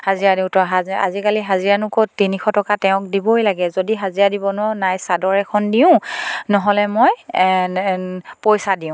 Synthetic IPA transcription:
hazijadiʊ̃tɔɦaa̰zikaliɦaziɹanʊkottːinixʰɔtɔkatɛʊ̃k̚dibɔjlaɡɛzodiɦaziadibɔnɔnajsadɔɹɛkʰɔndiʊ̃nɔɦɔlɛmoj | pojsadiʊ̃

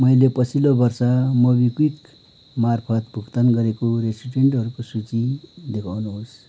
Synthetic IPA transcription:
mʌjlepʌt͡sʰilobʌrsʌmʌbikwik | marpʰʌt̪bʱukt̪ʌnɡʌɾekoɾesiʈeɳʈɦʌɾukosut͡sid̪ekʰawnuɦos

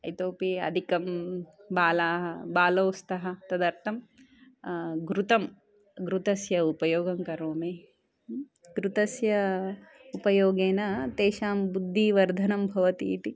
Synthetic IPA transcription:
ɐjt̪oːpiɐ̰d̪ʱikɐmbaːlaːɦɐbaːloːst̪ɐɦɐt̪ɐd̪ɐɾt̪ʰɐm | ɡɾut̪ɐm | ɡɾut̪ɐsjɐupɐjoːɡɐmkɐɾoːmeː | ɡɾut̪ɐsjɐ | upɐjoːɡeːnɐt̪eːʃaːmbud̪ʱːiʋɐɾd̪ʱɐnɐmbʱɐʋɐt̪ḭːt̪i

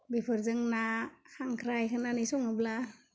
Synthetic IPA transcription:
bipʰɯɾzɯŋnakʰaŋkʰɾajkʰɯnanɯjsɔŋabla

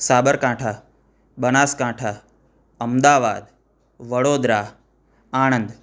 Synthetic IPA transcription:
saːbəɾkãːʈʰaː | ɓənaːskãːʈʰaː | ɐmd̪aːʋa̰ːd̪ | ʋəɽoːd̪ɾaː | aːɽ̃ə̃nd̪

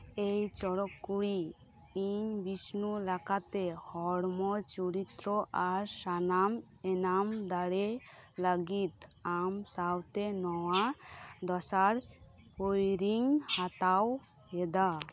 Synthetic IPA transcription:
ejt͡ʃɔɽɔkːuɽi | iɲbisnulakat̪ɛhɔɽmɔt͡ʃuɾit̪ɾɔʔaɾsanam | ɛnamd̪aɽe | laɡit̪amsawt̪ɛnɔwad̪ɔsaɾ | hojɾiŋhat̪aw | hɛd̪a

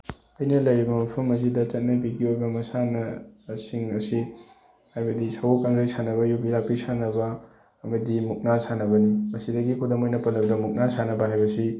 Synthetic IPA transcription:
ɐjnɐlɐjɾibɐmɐpʰɐmɐs̬idɐt͡ʃɐt̚nɐp̬iɡiojbɐmɐsanɐsiŋɐsi | hajbɐdisɐwokaŋɾaisanɐβɐjubilapisanɐbɐː | mɐdimuk̚nasanɐbɐnimɐsidɐɡikʰudɐmojnɐpɐnɐbdɐmuk̚nasʰanɐbɐɦajbɐsi

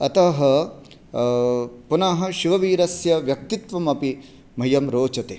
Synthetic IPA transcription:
ɐt̪ɐɦɐ | punɐɦɐ̆ʃiʋɐʋiːɾɐsjɐʋjɐk̚t̪it̪ʋɐmɐpi | m̤ɐjɐmɾoːt͡ʃɐt̪eː

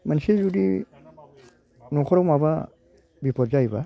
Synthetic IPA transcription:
mansed͡ʒudḭ | nɔkʰɔɾɔmaba | bipʰɔtzajba

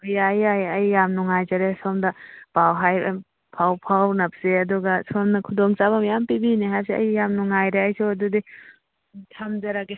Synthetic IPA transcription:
ojajajɐjːamnuŋajzɐɾesomdɐpawɦaj | pʰawpʰawnɐp̚seɐduɡɐsomnɐkʰudoŋt͡ʃaβɐmjampibiniɦajsiɐ̰jːamnuŋajɾeɐjsowɐdudi | tʰamd͡ʒɐɾake

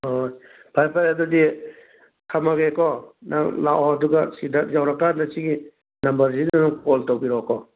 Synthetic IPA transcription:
hoj | pʰajpʰajɐdudi | kʰamaɡekɔnʔalawɐduɡɐsidɐk̚zawɾɐkːandɐsiɡi | nɐmbɐɾzinɐnupoltowbiɾɔkɔ

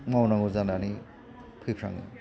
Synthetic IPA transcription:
mawnaŋuzanani | pʰɯpʰɾa̰ŋɯ̰

